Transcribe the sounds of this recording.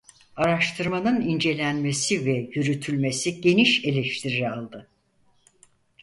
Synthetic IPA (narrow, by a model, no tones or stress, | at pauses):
aɾaʃt̪ʰɯɾmanɯnind͡ʒe̞lʲænme̞sivɛjyɾyt̪ʰylʲme̞siɟe̞niʃe̞lʲeʃt̪ʰiɾiɾalˠd̪ɯ